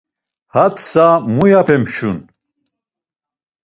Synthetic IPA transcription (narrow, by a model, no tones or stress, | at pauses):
hat̪ʰsamujapʰɛmʃun